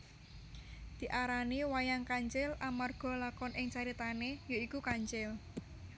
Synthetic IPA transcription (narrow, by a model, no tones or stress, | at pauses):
d̪̥i̤ʔaɾaniwajaŋkaɲt͡ʃɪlʔamarɡ̥ɔ̤lakɔnʔɪŋt͡ʃaɾit̪anejoikukaɲt͡ʃɪl